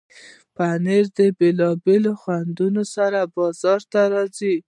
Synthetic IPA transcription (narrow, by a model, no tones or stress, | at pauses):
paneɾd̪əbelɑbeloxwand̪unosaɾabɑzɑɾt̪aɾɑzi